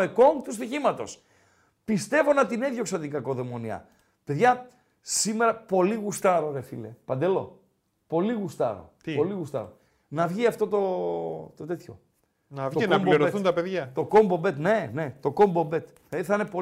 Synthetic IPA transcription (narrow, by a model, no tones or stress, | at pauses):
eko̞ŋt̪ust̪içimɐt̪o̞̰s | pist̪e̞vo̞nɐt̪ineðjo̞ksɐnt̪iŋɡɐko̞ðe̞mo̞niɐ̰ | pe̞ðʝɐ | sime̞ɾɐpo̞liɣust̪ɐɾo̞ɾefilepɐnd̪e̞lo̞̰ | po̞liɣust̪ɐ̰ɾo̞̰po̞liɣust̪ɐ̰ɾo̰ | nɐvʝiɐft̪o̞t̪o̞t̪o̞t̪e̞t̪ço̞ | nɐvɐmboiɾoθunt̪ɐpeðʝɐt̪o̞ko̞mbo̞be̞t̪ne̞ne̞t̪o̞ko̞mbo̞mbe̞t̪ | θɐiθɐnepo